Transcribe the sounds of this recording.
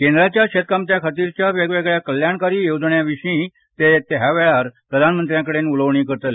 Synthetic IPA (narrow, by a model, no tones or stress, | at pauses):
kend̪ɾat͡ɕjaɕet̪̚kamt̪jakʰat̪iːɾt͡ɕjaʋeɡʋeɡɭjakəljaɳkaɾiːjowd͡zɳjaʋiʂĩ | t̪et̪ɦaʋɛɭaɾpɾəd̪ʱanmənt̪ɾjãkəɽenuləʋɳiːkəɾt̪əl